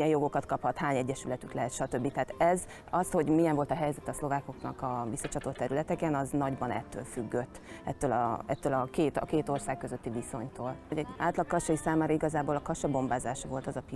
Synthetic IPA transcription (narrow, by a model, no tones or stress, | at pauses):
jɛjo̞ɡo̞kɒt̪kɒphɒt̪haːɲɛɟːɛʃylɛt̪yklɛɦɛt̪ʃɒt̪ø̞bːit̪ɛɦaːt̪ɛz | ɒsho̞ɟmijɛɱvo̞lt̪ɒɦɛjzɛt̪ɛɒslo̞vaːko̞knɒ̰kɒvisːɒt͡ʃɒt̪o̞t̪ːɛɾylɛt̪ɛkɛnɒznɒɟbɒnɛ̰t̪ːø̰ːlfyɡːøt̪ːɛt̪ːøːlɒ̰ɛt̪ːøːlɒkeːt̪ɒ̰keːt̪o̞rsaːkːø̞zøt̪ːiviso̞ɲt̪oːloɟɛɟaːlt̪lɒkːɒʃɒjisaːmaːɾɒiɡɒzaːboːlɒkɒʃɒbo̞mbaːzaːʃɒvo̞lt̪ɒzɒpi